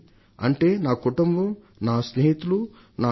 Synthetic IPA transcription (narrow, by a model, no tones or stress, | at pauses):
ɐ̰ɳʈe̞ːnaːkuʈumbɐ | naːsneɦit̪ulu | naː